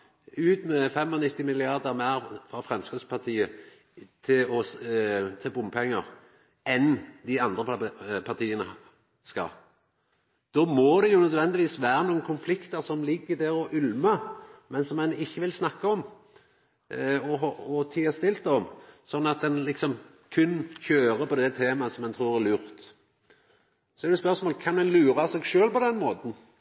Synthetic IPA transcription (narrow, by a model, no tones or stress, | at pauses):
ʉːt̪mɛfɛmɔnɪt̪ːɪmɪlɪɑʁd̪əɾmæːɾfɾɑfʁɛmskɾɪd̪spʰɑt̪ʰiːə | t̪ʰɪlɔ | t̪ʰɪlbʊmːpʰɛŋːəɾ | ɛnd̪ɪɑnd̪ɾəpʰɑʁt̪ʰiːənə | skɑ̰l | d̪̥ɔmɔd̪ɛjʊnœd̪ʋɛnd̪ɪʋiːsʋæːɾənuːənkʰʊnflɪkt̪əɾsɔmlɪɡːəd̪ɛɾɔʔʉlməmɛnsɔmːɛnɪçːəʋɪlsnɑkːəɔm | ɔɦɔt̪ʰiːɛst̪ɪlt̪ːɔmsɔnːɑt̪̚d̪ɛnlɪksɔm | kʰʉnːçøːɾəpɔd̪ɛt̪ʰeːmɑsɔmːɛnt̪ʰɾuːɾæɾlʉːɾt̪ | sɔɛd̪ɛspœʁsmoːləkʰɑnmɛnlʉːɾɑsɛːɡʃøːlpɔd̪ɛnmoːt̪n̩